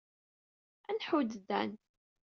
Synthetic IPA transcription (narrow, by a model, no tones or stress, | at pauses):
ænħud̪dæ̰n